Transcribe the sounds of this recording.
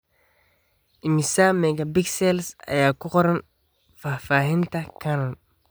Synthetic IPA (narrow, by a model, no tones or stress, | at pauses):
ʔɪmɪsamɛɡabɪksɛlsɐ̰jaːkʊqɔɾɛn | faːfaːhɪnt̪ɐkʰanɔn